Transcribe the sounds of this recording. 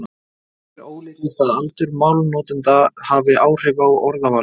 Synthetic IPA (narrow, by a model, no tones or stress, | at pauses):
ɾoːwlɪɪt̪aðalt̪ʏɾmaːwlnɔːt̪ʏnt̪ahavɪʔaːwr̥ɪvawɔɾðavaːl